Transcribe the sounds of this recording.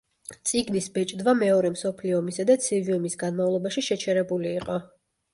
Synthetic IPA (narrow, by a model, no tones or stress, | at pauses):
t̪sʼiɡnisbɛt͡ʃʼd̪vamɛɔɾɛmsɔpʰliɔmisad̪at̪sʰiviumisɡanmavlˠɔbaʃiʃɛt͡ʃʰɛɾɛbuliːqʼɔ